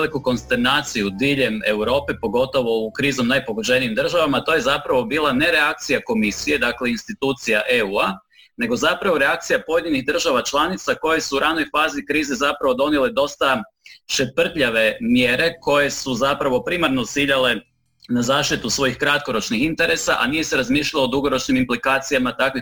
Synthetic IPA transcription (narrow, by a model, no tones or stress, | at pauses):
likuko̞nst̪e̞ɾnaːt̪sijud̪iʎe̞me̞wɾo̞ːpe̞po̞ɡo̞t̪o̞ʋo̞ukɾiːzo̞mnajpo̞ɡod͡ʑe̞niimd̪r̩ʒaʋamat̪o̞ːje̞zapɾaʋo̞biːlˠane̞ɾe̞ak̚t̪sijako̞misije̞d̪akle̞inst̪it̪uːt̪sijaʔe̞ua | ne̞ɡo̞zapɾaʋo̞ɾe̞ak̚t̪sijapo̞je̞d̪ɲinixd̪r̩ʒaʋat͡ʃlˠanit̪sako̞je̞suːɾʔano̞jfaːzikɾiːzezapɾaʋo̞d̪o̞nele̞d̪o̞st̪a | ʃepr̩t̪ʎaʋe̞mjeɾe̞ko̞je̞suzapɾaʋo̞pɾimaɾnot̪siʎale̞ | nazaːʃt̪it̪usʋo̞jixkɾat̪ko̞ɾo̞t͡ʃnixint̪e̞ɾe̞saʔa̰nije̞se̞ɾazmiːʃʎʲalod̪uɡo̞ɾo̞t͡ʃnimimplikaːt̪sijamat̪akʋi